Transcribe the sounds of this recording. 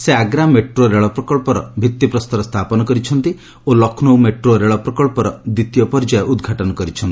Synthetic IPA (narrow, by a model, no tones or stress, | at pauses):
seaɡɾameʈɾoɾeɭɔpɾɔkɔɭpɔɾɔ̰bʱit̪ːipɾɔst̪ɔɾɔst̪ʰapɔnɔkɔɾit͡ʃʰɔnt̪i | olɔknowmeʈɾoɾeɭɔpɾɔkɔɭpɔɾɔd̪it̪jɔpɔɾd͡ʒajʔud̪ɡʱaʈɔnɔkɔɾit͡ʃʰɔnt̪i